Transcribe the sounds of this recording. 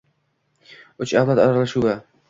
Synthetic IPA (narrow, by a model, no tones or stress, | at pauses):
ɵt͡ʃawlat̪aɾalaʃuva